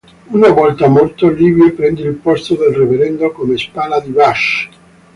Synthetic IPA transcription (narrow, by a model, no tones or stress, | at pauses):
unavɔlt̪amolt̪oliːvjepɾɛnd̪ilpɔst̪od̪elreveɾɛnd̪okomespaːnad̪ibaʃ